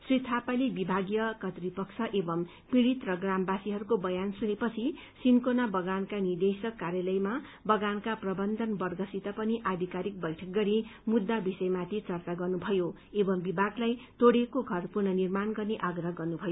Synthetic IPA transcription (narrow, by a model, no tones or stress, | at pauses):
srit̪ʰapalibibʱaɡjʌkʌt̪ripʌksʰʌʔebʌm | piɽit̪rʌɡrambasiɦʌɾukobʌjansunepʌt͡sʰi | sinkonabʌɡankanird̪esʌkːaɾjalʌjma | bʌɡankaprʌbʌnd̪ʱʌnbʌrɡʱʌsit̪ʌpʌniʔad̪ʱikaɾik̚bʌjʈʰʌk̚ɡʌɾimud̪ːabisʌjmat̪ʰit͡sʌrt͡saɡʌrnubʱʌjo | ebʌmbibʱaɡlajt̪oɽekoɡʱʌrpurnʌnirmanɡʌrneʔaɡrʌɦʌɡʌrnubʱʌjo